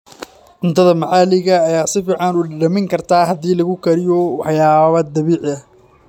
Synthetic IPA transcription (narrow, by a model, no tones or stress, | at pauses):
ʕʊnt̪ʰɐðɐmɐħɑːlɪɣɐːjaːsɪfiːʕɑnʊɖɐmɪŋkʰɐrt̪ʰaːɦɐðiːlɐɣʊkʰɐɾɪjɔwɑħjaːβɐd̪ɐβiːʕɐ